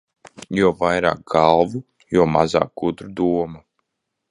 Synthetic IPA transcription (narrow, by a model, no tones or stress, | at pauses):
juɔvajɾa̰ːk̚ɡalˠvu | jɔɔmaza̰ːk̚ɡud̪ɾud̪uɔma